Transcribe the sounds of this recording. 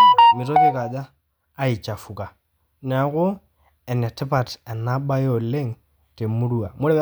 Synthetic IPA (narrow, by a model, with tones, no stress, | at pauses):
mi˨to˦ke˦ka˨d͡ʒaː˦ | i˨t͡ʃa˨fu˨ka˨ | n˨a˨kʊ˦ | ɛ˨nɛ˨tɪ˦pa˨tɛ˨na˦ɓa˦jo˦˨le˦ŋ | te˨mu˦ɾu˦a˨mo˦ɾɛ˦w